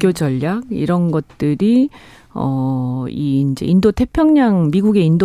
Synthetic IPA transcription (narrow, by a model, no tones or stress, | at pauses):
k͈jod͡ʑʌʎːak̚ḭɾʌnɡʌt̚t͈ɯɾi | ʌ̰iːnd͡ʑe̞̰indotʰe̞pʰjʌŋɲaŋmiɡuɡe̞indo